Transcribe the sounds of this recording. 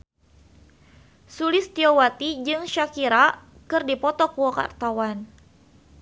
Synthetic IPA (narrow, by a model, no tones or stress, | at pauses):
sulɪst̪iɔwat̪id͡ʒɨŋʃakiɾa | kɨrdipɔt̪ɔkuwɔka̰rt̪awan